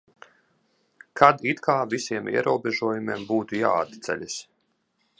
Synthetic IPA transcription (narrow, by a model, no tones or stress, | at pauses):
kʰad̪it̪kʰaːvisiɛmḭɛɾuːbeʒuɔjumiɛmbuːt̪uja̰ːd̪t̪sɛ̰lʲis